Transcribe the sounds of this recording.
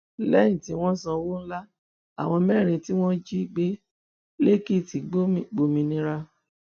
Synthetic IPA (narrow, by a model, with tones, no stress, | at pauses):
lɛ˦jĩ˦˨tĩ˨˦w̃ɔ̃˦sã˧wo˦ñ̩˦la˦ | a̰˨w̃ɔ̃˧mɛ˦˨ɾ̃ĩ˧ti˦w̃ɔ̃˦d͡ʒi˦˨ɡ͡be˦ | le˦ki˦˨ti˨˦ɡ͡bo˦mĩ˨ɡ͡bo˨mĩ˧nĩ˧˦ɾa˧